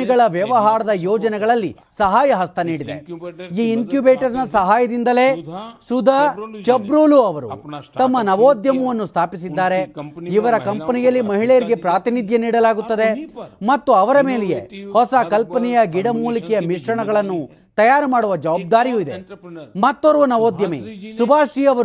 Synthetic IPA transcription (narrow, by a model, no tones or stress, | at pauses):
iɡɐɭɐʋjɐʋɐɦaːɾɐd̪ɐjoːd͡ʒɐnɛɡɐɭɐlːḭ | sɐɦaːjɐɦɐst̪ʰɐniːɽid̪e̞̰iːinkjubeːʈɐɾnɐsɐɦaːjɐd̪ind̪ɐle̞ːsud̪ʱɐt͡ʃɐbɾuːluɐʋɐɾṵt̪ɐmːɐnɐʋoːd̪jɐmɐʋɐnːust̪ʰaːpis̬id̪ːaːɾeiʋɐɾɐkɐmpɐnijɐlːimɐɦiɭɛjɐɾiɡe̞pɾaːt̪inid̪ʱjɐniːɽɐlaːɡut̪ːɐd̪e̞mɐt̪ːuɐʋɐɾɐme̞ːlɛjḛhɔsɐkɐlpɐnɛjɐɡiɽɐmuːlikɛjɐmiʂɾɐɳɐɡɐɭɐnːu | t̪ɐjaːɾɐmaːɽuʋɐd͡ʒɐʋaːb̚d̪aːɾijuid̪ḛmɐt̪ːoɾuʋɐnɐʋoːd̪jɐmḛːsubʱaːʂiɐʋɐ